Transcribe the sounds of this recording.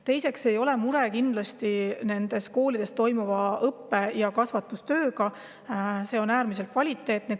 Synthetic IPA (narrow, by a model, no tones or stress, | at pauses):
t̪e̞jse̞kse̞jo̞lɛmuɾekind̪lɑst̪ine̞nd̪̥e̞s̚ko̞ːlid̥̪e̞st̪o̞jmuvɑɤpːe̞jɑkɑsvɑt̪ːˑust̪ø̞ːɡɑ | se̞o̞næːɾmis̬e̞lt̪̚kvɑlʲit̪ːˑe̞ːt̪ne